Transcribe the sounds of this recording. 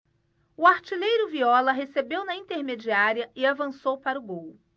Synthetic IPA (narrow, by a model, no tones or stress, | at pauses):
ʊaɾt͡ʃilejɾʊviɔlɐɦesebewnɐĩnt̪eɾmed͡ʒiaɾiɐʔɪavɐ̃sowpaɾʊɡow